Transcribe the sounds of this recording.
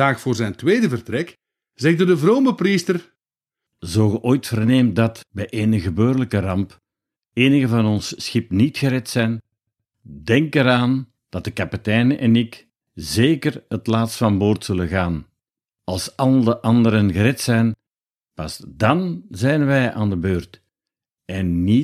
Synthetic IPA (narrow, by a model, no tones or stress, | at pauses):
aːxfʊːrzɛjntʋeːdəvərtɾɛk | zɛɣdədəvroːməpristər | zoːɣəʔoːjtfərneːmdɑtbɛjʔeːnəɣəbøːrələkərɑmp | eːnəɣəvɑnɔnsːxɪpnitxəɾɛtsɛjn | dɛŋkəɾaːn | d̥ɑt̚dəkapitɛjnəʔɛnɪk | zeːkərətlaːtstfɑmboːrtsɵlənɣaːn | ɑlˠsɑlˠdəʔɑndəɾənɣəɾɛtsɛjn | pɑsdɑnzɛjnʋɛjʔaːndəbøːrt | ɛnːi